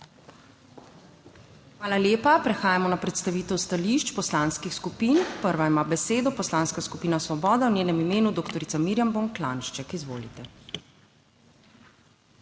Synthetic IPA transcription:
xmaːlaljeːpapɾɛxaːjamɔnapɾɛt̪st̪aʋiːt̪ɛwst̪aliʃt͡ʃpɔslanskixskupinpəɾʋaimaːbɛseːd̪ɔpɔslanskaskupiːnasʋɔbɔːd̪awnʲeːnɛmimeːnud̪oːkt̪ɔɾit̪samiɾjamboŋklanʃt͡ʃɛkizʋo̰ːlit̪ɛ

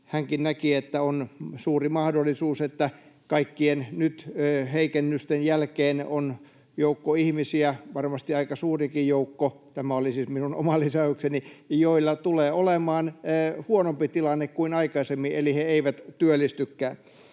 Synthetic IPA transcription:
hæŋkinnækiet̪ːæonsuːrimɑhdolːˑisuːset̪ːækɑikːiennyt̪ːheikenːyst̪enjælkeːnon | joukːoihmisiæʋɑrmɑst̪iɑikɑsuːrikijjoukːot̪æmæolisiːsminuno̰mɑlːisɑuksenijoilːɑt̪uleːolemɑːnːhuonompit̪ilɑnːekkuinɑikɑisemːieliheeiʋæt̪t̪yølːˑist̪ykːæːn

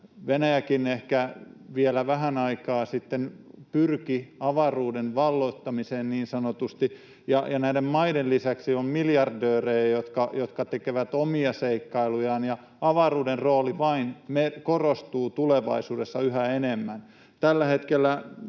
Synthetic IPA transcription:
ʋenæjækinehkæʋielæʋæɦænɑikɑːsit̪ːenpyrkiɑʋɑruːdenʋɑlːot̪ːɑmiseːnniːnsɑnot̪ust̪i | jɑjɑnæidemmɑidellisæksiommiljɑrdøːreːjot̪kɑjot̪kɑt̪ekeʋæt̪omiɑseikːɑilujɑːnjɑ | ɑʋɑruːderroːliʋɑinmekorost̪uːt̪uleʋɑ̰isuːdesːɑyhæenemːæn | t̪ælːæhet̪kelːæ

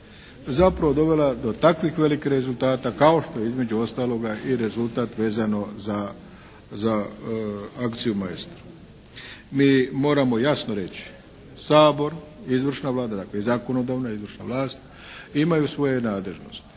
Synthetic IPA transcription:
zapɾaʋo̞d̪o̞ʋe̞lad̪o̞t̪akʋixʋe̞likixɾe̞zulˠt̪aːt̪akao̞ʃt̪o̞jeizme̞d͡ʑuo̞st̪aːlˠo̞ɡaiɾe̞zulˠt̪aːt̪ʋe̞ːzano̞za | za | akt̪sijumaest̪ɾu̥ | miːmo̞ːɾamo̞jasnoɾe̞t͡ɕi̥ | saːbo̞ɾizʋr̩ʃnaʋlˠaːd̪ad̪akleizaːko̞no̞d̪aːʋnaizʋr̩ʃna̰ʋlˠaːst̪ | imajusʋo̞jenaːd̪le̞ʒno̞̰st̪

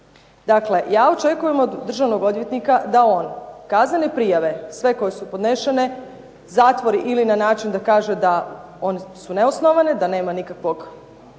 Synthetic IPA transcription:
d̪akle̞jaːo̞t͡ʃe̞kuje̞mo̞d̪ːr̩ʒaʋno̞ɡo̞d̪ʋjet̪nikad̪ao̞ːnkazne̞ne̞pɾijaʋe̞sʋe̞ko̞jesupo̞d̪neʃene̞ | zaːt̪ʋo̞ɾiʔilinanaːt͡ʃind̪akaːʒed̪a | o̞nesune̞osnoʋaned̪ane̞ːmanikakʋo̞ɡ

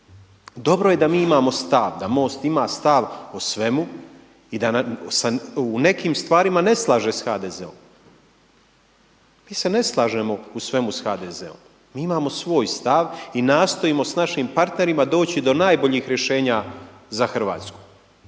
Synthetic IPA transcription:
d̪o̞bɾo̞jed̪amiːimaːmo̞st̪aʋd̪amo̞ːst̪imaːst̪aʋosʋe̞mu | id̪asaune̞kiːmst̪ʋaːɾimane̞slˠaːʒe̞sxaːd̪ezḛo̰m | miːse̞ne̞slˠaːʒemousʋe̞musxaːd̪ezḛo̰m | miːimaːmo̞sʋo̞ːjst̪aʋinaːst̪o̞imo̞snaʃimpaɾt̪ne̞ɾimad̪o̞ːt͡ɕid̪o̞naːjbo̞ʎiːxɾje̞ʃe̞ːɲa | zaxr̩ʋa̰ːt̪sku̥

